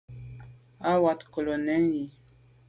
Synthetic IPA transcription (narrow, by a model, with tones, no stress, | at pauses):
a˦wa˨tko˨lo˨nɛ˦lji˨